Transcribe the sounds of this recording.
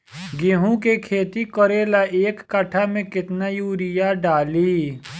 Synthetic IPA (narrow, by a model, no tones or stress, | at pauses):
ɡeɦũkekʰeːt̪ikɔɾeːlaʔeːkːəʈʰamẽkɪt̪najuːɾɪjaɖaːliː